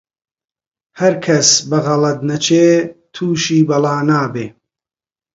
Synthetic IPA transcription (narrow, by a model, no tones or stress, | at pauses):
hɐɾkʰɐsbɐɣɐlɐd̪nɐt͡ʃʰeːt̪ʰuːʃiːbɐlˠaːnaːbeː